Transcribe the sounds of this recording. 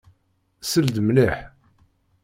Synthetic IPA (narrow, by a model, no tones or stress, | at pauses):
səld̪mniħ